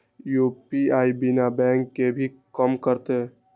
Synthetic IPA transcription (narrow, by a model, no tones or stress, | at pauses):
jupiaːibɪnabɛ̃ːŋkːebʱi | kəmkəɾt̪e